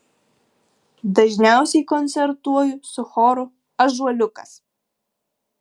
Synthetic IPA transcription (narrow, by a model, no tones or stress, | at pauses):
d̪ɐʒʲnʲæˑʊsʲɛɪkɔnʲt̪sʲɛɾt̪uɔjʊsʊxɔːɾʊ | ɐʒuɔlʲʊkɐs